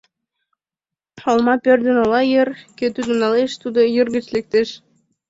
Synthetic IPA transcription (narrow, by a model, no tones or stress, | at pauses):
ʃolmɑpørd̪ə̆nolɑjĕrkøt̪yd̪unɑleʃt̪ud̪ojərɡə̆t͡ɕlek̚t̪eʃ